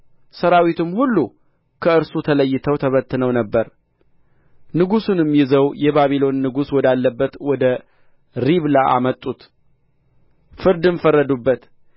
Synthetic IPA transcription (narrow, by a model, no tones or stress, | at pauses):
səɾawit̪ʰɨmhulːu | kʰəɨɾsut̪ʰələjːɪt̪ʰəwt̪ʰəβət̪ʰːɨnəwnəbːəɾ | nɨɡusunɨmjɪzəwjɛbaβilo̞nːɨɡuswɔd̪alːəbːət̪wɔd̪ə | ɾiβlaʔa̰mət̪ʼːut̪ | fɨɾd̪ɨmfərːəd̪ubːət̪